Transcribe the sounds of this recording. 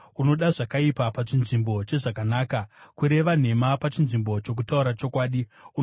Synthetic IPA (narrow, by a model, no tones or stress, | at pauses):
uno̞ɗaʐakaipapat͡ʃinʐimbo̞t͡ʃe̞ʐakanaːkakuɾe̞ʋan̤e̞mapat͡ʃinʐimbo̞t͡ʃok̬utauɾat͡ʃo̞kwaːɗiu